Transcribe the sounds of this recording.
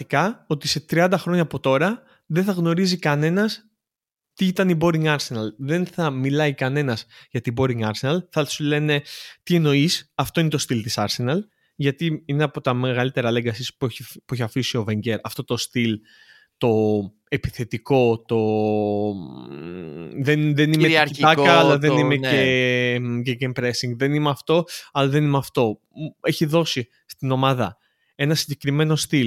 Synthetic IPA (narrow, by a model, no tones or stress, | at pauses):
ikɐo̞t̪ise̞t̪ɾiɐnd̪ɐxɾo̞ɲɐːpo̞t̪o̞ɾɐ | ðenθɐɣno̞ɾizikɐne̞nɐs | t̪iit̪ɐnibo̞ɾiŋɡɐɾse̞nɐlðe̞nθɐmilɐikɐne̞nɐzʝɐt̪ibo̞ɾiŋɡɐɾse̞nɐlθɐsule̞ne̞t̪ie̞no̞isɐft̪o̞ine̞t̪o̞st̪ilt̪isɐɾse̞nɐl | ʝɐt̪iineɐpo̞t̪ɐmeɣɐlit̪e̞ɾɐleɡɐsisppueçɐfisio̞veɲɟeɾɐft̪o̞t̪o̞st̪il | t̪o̞ | epiθe̞t̪iko̞t̪o̞ | ðenðenimeiɐɾit̪ɐkɐɐlɐðenimee | ɡeɡempɾesiŋɡðe̞nimeɐft̪o̞ɐlɐðe̞nimeɐft̪o̞ | e̞çiðo̞si | st̪ino̞mɐðɐ | e̞nɐsiɲɟe̞kɾime̞no̞st̪il